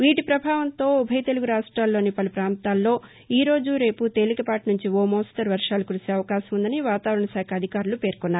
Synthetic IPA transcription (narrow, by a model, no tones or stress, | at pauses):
ʋiːʈipɾɐbʱaːʋɐnt̪o̞ːubʱɐjt̪e̞luɡuɾaːʂʈɾaːlːoːnipɐlupɾaːnt̪aːlːo̞ː | iːɾo̞ːd͡ʒuɾe̞ːput̪e̞ːlikɐpaːʈnuɲt͡ʃioːmoːsʈ̪ɐɾʋɐɾʂaːlɐkuɾuseːɐʋɐkaːʃɐmund̪ɐniʋaːt̪aːʋɐɾɐɳɐsaːkʰɐːd̪ʱikaːɾulupe̞ːɾkɔnːaːɾu